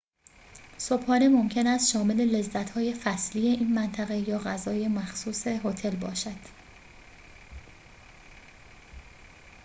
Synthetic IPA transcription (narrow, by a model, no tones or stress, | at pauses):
so̞bhɒːnemo̞mcʰe̞næst̪ʃɒːme̞le̞le̞zːæt̪ʰhɒːje̞fæslije̞ʔiːnmænt̪ʰæɣe̞jɒːɣæzɒːje̞mæxsuːse̞ɦot̪ʰe̞lbɒːʃæd̪̥